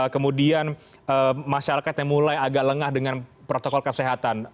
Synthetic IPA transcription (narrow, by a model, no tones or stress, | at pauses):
kəmudian | ʔəmaʃaɾakat̪ɲaŋmulajaɡaʔləŋahdəŋanpɾot̪okɔlkəseɦat̪an